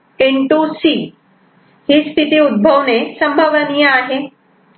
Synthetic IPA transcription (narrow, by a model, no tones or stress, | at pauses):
keɳʈusi | hist̪ʰit̪iud̪̚bʱəʋnesɐmbʱəʋənijaaːɦe